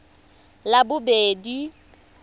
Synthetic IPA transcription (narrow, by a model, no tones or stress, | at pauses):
labʊbeːdi